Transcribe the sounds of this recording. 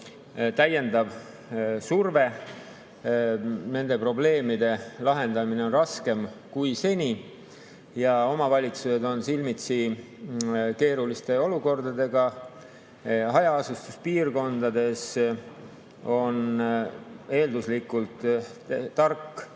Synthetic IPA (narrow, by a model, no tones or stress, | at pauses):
t̪æje̞nd̪̥ɑb | surve̞ | ne̞nd̪e̞pro̞ble̞ːmid̪̥e̞lɑɦe̞nd̪̥ɑmine̞o̞nrɑske̞mkujse̞nʲi | jɑo̞mɑvɑlʲit̪suse̞d̪o̞nsilmit̪si | ke̞ːɾulist̪e̞o̞luko̞rd̪̥ɑd̪e̞ɡ̥ɑ | ɦɑjɑɑsust̪uspiːrko̞nd̪̥ɑd̪e̞s | o̞n | e̞ːld̪uslikːˑult̪ˑː | ɑrkːˑ